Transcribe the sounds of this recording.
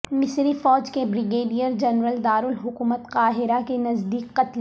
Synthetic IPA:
mɪsɾifɔːd͡ʒkebɾɪɡeːɖijəɾd͡ʒɐnɾəld̪aːɾʊlɦʊkuːmət̪qaːɦɪɾakenɐzd̪iːqːɐt̪l

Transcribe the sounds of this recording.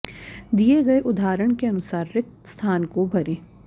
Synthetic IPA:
d̪ieɡɐeʔʊd̪ʱaːɾəɽ̃keɐnʊsaːɾːɪk̚t̪st̪ʰaːnkobʱɐɾẽː

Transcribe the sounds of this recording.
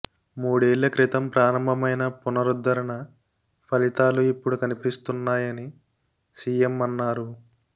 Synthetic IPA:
muːɽeːlːɐkɾit̪ɐmpɾaːɾɐmbɐmɐjnɐpunɐɾud̪ːɐɾɐɳɐ | pʰɐlit̪aːluipːuɽukɐnipist̪unːaːjɐni | siːjemɐnːaːɾu

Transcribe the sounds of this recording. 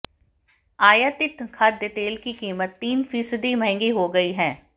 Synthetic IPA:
aːjat̪ɪt̪kʰaːd̪eːt̪eːlkikiːmət̪ːiːnfʰiːsd̪iːməɦɪ̃ŋɡiːɦoːɡəiːɦɛ̃ː

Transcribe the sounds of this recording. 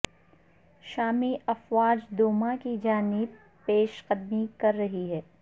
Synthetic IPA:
ʃaːmiʔɐfwaːd͡ʒd̪oːmãkid͡ʒaːnɪb | peːʃqɐd̪mikɐɾːɐɦiɦɛː

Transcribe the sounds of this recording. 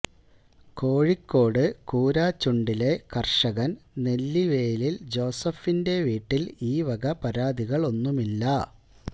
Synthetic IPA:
ko̞ːɻikːo̞ːɽɨkuːɾaːt͡ɕːuɳɖile̞kɐrʂɐɣɐnne̞lːiʋe̞ːlild͡ʑo̞ːsɐfinde̞ʋiːʈːiliːʋɐɡɐpɐɾaːd̪ʱiɣɐɭo̞nːumilːɐ

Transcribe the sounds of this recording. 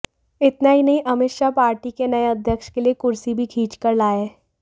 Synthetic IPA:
ɪt̪naɦinɐɦĩʔɐmɪt̪ʃapaːɾʈikenɐeɐd̪ʱjəkʃkeliekʊɾsibʱikʰiːt͡ʃkəɾlaːeɛː

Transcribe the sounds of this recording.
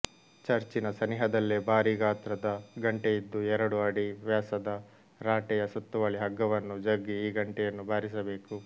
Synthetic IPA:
t͡ʃɐɾt͡ʃinɐsɐniɦɐd̪ɐlːebʱaːɾiɡaːt̪ɾɐd̪ɐɡɐɳʈejid̪ːuɛɾɐɽuɐɽiʋjaːsɐd̪ɐ | ɾaːʈɛjɐsɐt̪ːuʋɐɭiɦɐɡːɐʋɐnːud͡ʒɐɡːiiːɡɐɳʈɛjɐnːubʱaːɾisɐbe̞ːku

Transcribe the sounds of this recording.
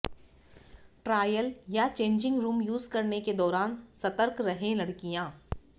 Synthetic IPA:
ʈɾaːjəljat͡ʃẽːɲd͡ʒɪ̃ŋɡɾuːmjuːzkɐɾneked̪ɔːɾaːnsɐt̪əɾkɾɐɦẽlɐɽkijãː

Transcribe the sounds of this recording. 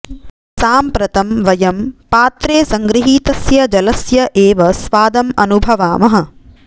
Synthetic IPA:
saːmpɾɐt̪ɐmʋɐjɐmpaːt̪ɾeːsɐŋɡɾiɦiːt̪ɐsjɐd͡ʒɐlɐsjɐʔeːʋɐsʋaːd̪ɐmɐnubʱɐʋaːmɐɦɐ̆

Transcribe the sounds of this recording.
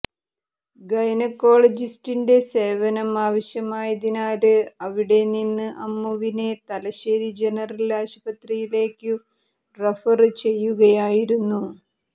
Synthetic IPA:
ɡɐjnɐkːo̞ːɭɐd͡ʑistinde̞se̞ːʋɐnɐmaːʋɐɕjɐmaːjɐðinaːɾɨɐʋiɽe̞ninːɨʔɐmːɐʋine̞t̪ɐlɐɕeːɾid͡ʑe̞nɐrɐlaːɕubɐt̪rijile̞ːkːɨ | refɐrt͡ɕe̞jːuɣɐjaːjiɾunːu

